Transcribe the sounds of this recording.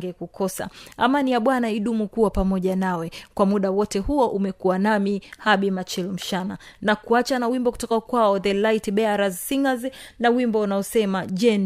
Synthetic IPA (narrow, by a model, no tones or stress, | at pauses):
ɡɛkukʰɔsa̰a̰manijaɓwanaiɗumukuwapamɔʄanawɛkwamuɗawɔtɛhuɔʔumɛkuwanamihaɓimat͡ʃilm̩ʃana̰nakuat͡ʃanawimbɔku̥tɔkakwaɔðɛlaitiɓɛaɾazsiŋɡaznawimbɔunaɔsɛmaʄɛn